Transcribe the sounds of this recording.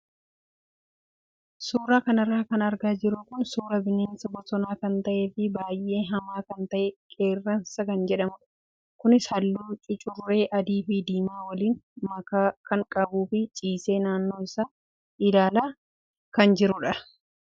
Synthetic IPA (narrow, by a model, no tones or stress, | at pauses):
suːɾaːkɐnɐrːaːkɐnɐɾɡaːd͡ʒɪɾʊkʊnsuːɾɐbɪneːnsɐbɔt̪ɔnaːkɐnt̪ɐʔe̞ːfɪbaːjʔe̞ːɦɐmaːkɐnt̪ɐʔɛkʼe̞ːrːɐnsɐkɐnd͡ʒɛᶑɐmʊᶑɐ̥ | kʊnɪshɐlːuːt͡ʃʼɪt͡ʃʼʊrːe̞ːʔɐd̪iːfɪd̪iːmaːwɐliːnmɐkaːkɐŋkʼɐbuːfɪt͡ʃʼiːse̞ːnaːnːo̞ːɪsaː | ɪlaːlaː | kɐnd͡ʒɪɾʊᶑɐ